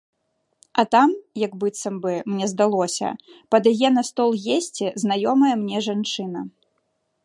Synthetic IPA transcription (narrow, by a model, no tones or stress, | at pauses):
ɐt̪amjɐɡbɨt̪sɐmbɨmnʲɛzd̪alˠɔsʲɐ̰pɐd̪jajɛnɐst̪ɔlˠɣʲesʲt͡sʲiznajɔmɐjɐmnʲɛʐant͡ʂɨnɐ